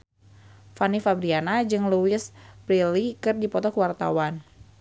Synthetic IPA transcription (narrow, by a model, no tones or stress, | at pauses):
fanifabɾianad͡ʒɨŋluɪspɾilikɨrdipɔt̪ɔkəwart̪a̰wan